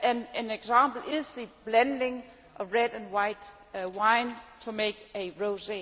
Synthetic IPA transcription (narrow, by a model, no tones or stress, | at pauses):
æneneɡ̥samb̥l̩iðˠsib̥lændɪŋ | ʔɒɹed̥æ̃nwaɪd̥ | waɪntʰumeɪɡ̥æɹoʊse